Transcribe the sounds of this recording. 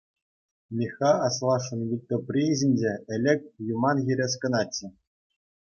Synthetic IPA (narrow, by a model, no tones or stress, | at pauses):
mʲixɑɑslˠɑʂɤ̆nʋʲit̪ʲːŏpʲrʲiʑʲinʲd͡ʑeɘ̆lʲɘ̆k̚ʲjumɑnɣʲiɾʲes̬kɤ̆nɑt͡ɕːɘ̆